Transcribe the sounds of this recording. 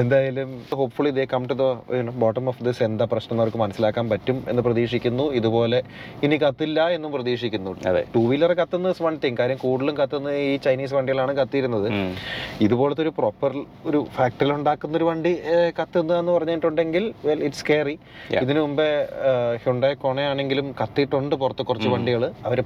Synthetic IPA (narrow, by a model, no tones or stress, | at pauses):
end̪aːjalumɦo̞ːpfuɭiðekɐmʈuðɐ̰nboːʈːɐmofd̪isend̪ɐprɐɕnɐŋːorkːɨmɐnɐsːilaːkːaːnpɐtːume̞nːɨprɐðiːʂikʲːunːuiðupo̞ːle̞inikɐt̪ːilːɐe̞nːumprɐðiːʂikʲːunːuɐðḛʈuːʋilɐrkɐt̪ːenːɐsmɐɳɖt̪ːiŋkaːɾɐjɐmkuːɽilumkɐt̪ːenːɨiːt͡ɕɐjniːs̬ʋɐɳɖijɐɭaːɳɨkɐt̪ːijiɾunːɐðɨ | iðupo̞ːɭet̪ːo̞ɾupro̞ːpːɐr | oɾufaːk̚ʈɐriluɳɖaːkːunːɐo̞ɾuʋɐɳɖikɐt̪ːe̞nːɨenːɨpɐrɐɲːajʈːuɳɖe̞ŋɡilʋeliʈskeːri | j̰iðinɨumbehuɳɖekoɳeaːɳe̞ŋɡilumkɐt̪ːiʈːuɳɖɨpurɐt̪ːɨkːurɐt͡ɕt͡ɕːɨʋɐɳɖiɣɐɭɨɐʋɐɾe